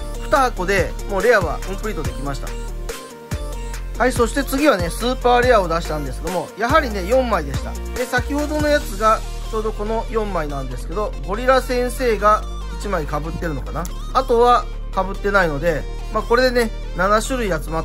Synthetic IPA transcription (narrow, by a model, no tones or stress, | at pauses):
ɸɯ̟t̪ahako̞d̪e̞mo̞ːɾe̞aβa̰ɯ̟̃mpɯ̟ɾiːt̪o̞d̪e̞kʲimaɕi̥t̪a̰ | haiso̞ɕi̥t̪e̞t͡sɨɡʲiβane̞sɨːpaːɾe̞ao̞d̪aɕi̥t̪ãnd̪esɨked̪o̞mo̞jaɦaɾʲine̞jõ̞mːaid̪e̞ɕi̥t̪a̰d̪e̞sakʲiho̞d̪o̞no̞jat͡sɨɡa | t͡ɕo̞ːd̪o̞ko̞no̞jõ̞mːainãnd̪e̞sɨ̥ke̞d̪o̞bo̞ɾʲiɾasẽ̞ɰ̃se̞ːɡa | it͡ɕimaikabɯ̟t̪ːe̞ɾɯ̟nokana | at̪o̞βa | kabɯ̟t̪ːe̞naino̞d̪e̞ | maːko̞ɾe̞d̪e̞ne̞ | nanaɕɨɾɯ̟iat͡sɨmat̪ː